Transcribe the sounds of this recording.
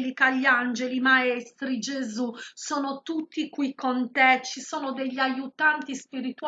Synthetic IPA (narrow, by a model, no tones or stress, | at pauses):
likaʎːand͡ʒelimaɛst̪ɾid͡ʒezusɔːnot̪ut̪ːikwikʰːont̪ɛt͡ʃːisɔːnod̪eʎːajut̪ant̪ispiɾit̪u